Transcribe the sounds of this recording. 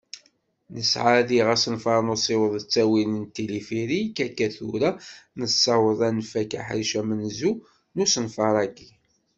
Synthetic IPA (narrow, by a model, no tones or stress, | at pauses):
nəsʕaðiʁæsənfɑɾˤnusˤewəðˤət͡sːæwinənt̪ːilifiɾikːækːæθuɾanəsːɑwəðˤænfækæ̰ħɾiʃæmənzu | nusənfɑɾˤɑɡi